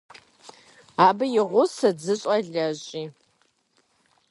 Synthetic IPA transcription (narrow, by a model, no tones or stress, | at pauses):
aːbɨjɪʁʷʊsɐd͡zɨɕʼɐɮɐɕʼiː